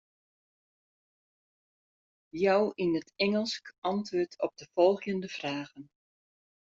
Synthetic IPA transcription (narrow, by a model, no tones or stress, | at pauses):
jɔwʔinətʰɛŋəlˠskɑntʋøːtʰɔp̚dəfɔlˠɣjəndəv̥raːɣən